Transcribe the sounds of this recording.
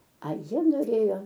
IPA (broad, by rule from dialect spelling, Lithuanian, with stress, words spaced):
ɐ ˈjiɛ noːˈrʲeːjoː